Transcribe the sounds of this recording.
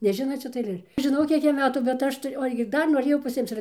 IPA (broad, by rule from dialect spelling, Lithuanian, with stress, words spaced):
nʲɛˈʒʲɪnoːt ˈʃʲɪtɐ ɐɪˈlʲeːr ʒʲɪˈnɐʊ ˈkʲiɛk ˈjɛm ˈmʲæːtuː bʲɛt ˈɐʃ tɐɪ oː ˈɐʃ ɡʲɪ ˈdɐr noːˈrʲeːjɛʊ pɐˈsʲɪmt͡s ɪr